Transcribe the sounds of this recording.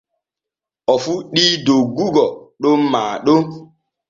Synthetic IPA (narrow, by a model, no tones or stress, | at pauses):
ɔfuɗidoɡuɡɔɗom̩maɗo